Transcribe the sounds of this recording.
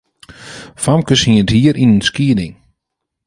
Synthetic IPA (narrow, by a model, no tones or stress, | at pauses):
famkəsiənthiəɾʔinənskiədɪŋ